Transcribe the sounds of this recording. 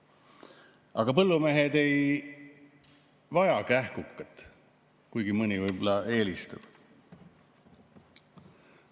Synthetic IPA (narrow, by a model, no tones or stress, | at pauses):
ɑɡ̥ɑpɤlːumeɦed̪e̞j | vɑjɑkæhkukːɑt̪ːˑ | kujɡimɯnʲivɤjbolːɑʔe̞ːlist̪ub̥